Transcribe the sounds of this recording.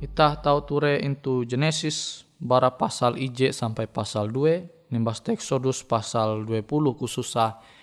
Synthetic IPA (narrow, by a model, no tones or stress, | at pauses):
it̪aht̪aut̪uɾɛint̪ud͡ʒɛnɛsis | baɾapasalid͡ʒɛʔsampajpasalduɛ | nimbast̪ɛksɔduspasalduɛpuluhkususah